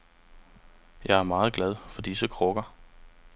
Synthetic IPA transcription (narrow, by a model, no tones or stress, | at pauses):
jɑ̈ɪæɐmɑ̈ːð̩ˠɡ̥læð̞ˠfɒ̽d̥isəkʰʁɔɡ̥ɐ